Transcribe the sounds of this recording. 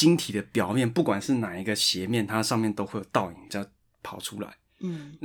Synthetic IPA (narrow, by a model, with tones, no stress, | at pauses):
t͡ɕi˥ŋt̪ʰi˨˩d̪ə˦pjɑ˨˩ʊmjɛ˥˧˨npu˥˩kwa˨˩nʂɻ̩˥˩na˨˩i˧˥ɡə˧ɕjɛ˧˦mjɛ˥˨nt̪ʰa˥ʂɑ˥˧ŋmjɛ˥˨nt̪o˥ʊxwe˥˩ɪjt̪ɑ˥˩ʊi˨˩ŋt͡ɕa˥˧˩ɪ | pʰɑ˨˩ʊʈ͡ʂʰu˥la̰˨˩˦ɪ | n